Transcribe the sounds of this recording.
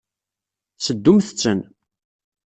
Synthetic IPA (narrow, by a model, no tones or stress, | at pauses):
səd̪ːumθət͡sːən